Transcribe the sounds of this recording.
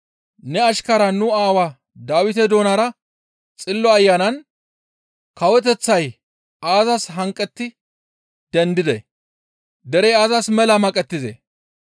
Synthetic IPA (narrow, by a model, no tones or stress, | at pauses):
nɛɐʃkɐɾɐnʊaːwa | d̪aːwɪt̪ɛd̪o̞ːnaɾɐ | t͡sʼɪlːɔɐjːaːnɐn | kɐwɛt̪ɛt͡sːɐj | aːzɐsɦɐŋkʼːɛt̪ːɪ | d̪̥ɛnd̪ɪd̪ɛ̰ | d̪ɛɾɛaːzɐsmɛlɐmɐkʼɛt̪ːɪzḛ